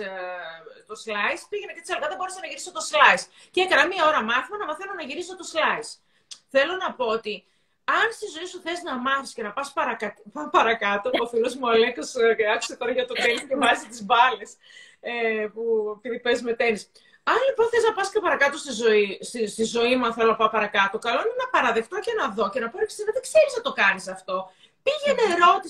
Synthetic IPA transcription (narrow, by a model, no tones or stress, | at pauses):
t̪oslɐjspiʝemet̪et̪isɐlɣɐðɐbo̞ɾesenɐʝiɾisot̪o̞slɐjs | ceekɐnɐmiɐo̞ɾɐmɐθimɐnɐmɐθenonɐʝiɾisot̪o̞slɐjs | θelo̞nɐpo̞ot̪i | ɐnst̪izo̞isuθe̞znɐmɐθi̥scenɐpɐspɐɾɐkɐt̪ippɐɾɐkɐt̪oofiluzmuɐlekosɐku̥set̪o̞ɾɐʝɐt̪o̞t̪eniscevɐzit̪izbɐles | epuepiðipezme̞t̪enis | ɐnlipo̞nθeliznɐpɐscɐpɐɾɐkɐt̪o̞st̪izo̞isst̪izo̞imuɐnθelonɐpɐpɐɾɐkɐt̪o̞kɐloinenɐpɐɾɐðe̞kt̪oce̞nɐðo̞ce̞nɐponei̥sinɐðekseɾiznɐt̪o̞kɐnisɐft̪o̞ | piʝenːɾo̞t̪i